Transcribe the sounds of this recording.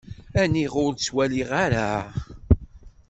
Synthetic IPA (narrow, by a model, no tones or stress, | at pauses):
æniʁʊɾt͡sːwæliʁaɾa